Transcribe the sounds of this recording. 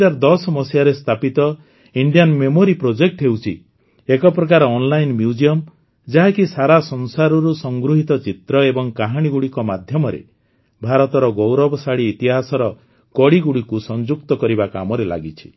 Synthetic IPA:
aɾd̪ɔsmɔsjaɾest̪ʰapit̪ɔ | iɳɖijanmemoɾipɾod͡ʒek̚ʈɦewt͡ʃʰi | ekɔpɾɔkaɾɔːnlajnmjuud͡ʒiɔm | d͡ʒaɦakisaɾasɔnsaɾɔɾusɔŋɡɾuɦit̪ɔt͡ʃit̪ɾɔebɔŋkaɦaɽ̃iɡuɽikɔmad̪ʱjɔmɔɾḛ | bʱaɾɔt̪ɔɾɔɡowɾɔbɔsaɽiːt̪iɦasɔɾɔ | kɔɽiɡuɽikusɔnd͡ʒuk̚t̪ɔkɔɾibaka̰mɔɾela̰ɡit͡ʃʰi̥

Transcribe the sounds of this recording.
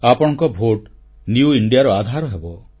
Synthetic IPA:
apɔɽ̃ɔŋkɔbʱoʈ | njuiɳɖijaɾɔad̪ʱaɾɔɦebɔ

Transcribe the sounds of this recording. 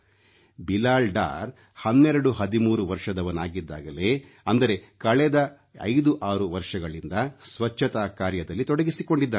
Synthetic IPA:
bilaːlɖa̰ːɾ | hɐnːɛɾɐɽuhɐd̪imuːɾuʋɐɾʂɐd̪ɐʋɐnaːɡid̪ːaːɡɐle̞ | ɐnd̪ɐɾe̞kɐɭɛd̪ɐ | ɐ̰jd̪uʔaːɾuʋɐɾʂɐɡɐɭind̪ɐsʋɐt͡ʃːɐt̪aːkaːɾjɐd̪ɐlːit̪ɔɽɐɡisiko̞ɳɖid̪ːaː

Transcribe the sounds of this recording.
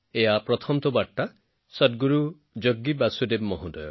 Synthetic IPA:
eɦapɾɔt̪ʰɔmt̪ɔbaʈːa | sɔt̚ɡuɾu | d͡ʒoɡːibasudebmɔɦũd̪ɔjɔ

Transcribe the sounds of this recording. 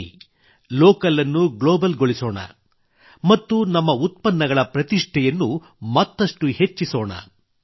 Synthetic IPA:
loːkɐlɐnːuɡɭoːbɐlɡoɭisoːɳɐ̰ | mɐt̪ːunɐmːɐut̪̚pɐnːɐɡɐɭɐpɾɐt̪iʂʈʰɛjɐnːu | mɐt̪ːɐʂʈuhe̞t͡ʃːisoːɳɐ̰

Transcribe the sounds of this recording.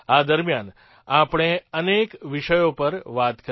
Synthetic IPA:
ad̪əɾmjan | apɳ̃eənekʋɪʃəjopəɾʋat̪kə

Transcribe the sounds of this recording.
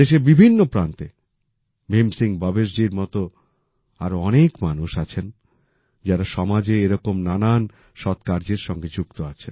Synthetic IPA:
d̪eʃebibʱinːopɾant̪e | bemsiŋbɔbeʃɖiɾmɔt̪o | aɾoɔnekmanuʃat͡ɕʰen | d͡ʑaɾaʃɔmad͡ʑeeɾɔkomnanan | ʃɔt̪kaɾd͡ʑeɾʃɔŋɡed͡ʑuk̚t̪oat͡ɕʰen

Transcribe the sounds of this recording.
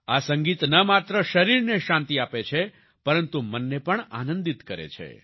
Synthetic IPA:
asə̃ŋɡit̪nəmat̪ɾəʃəɾiɾneʃãnt̪iapet͡ʃʰe | pəɾənt̪umənːepəɳa̰nə̃nd̪it̪kəɾḛt͡ʃʰḛ

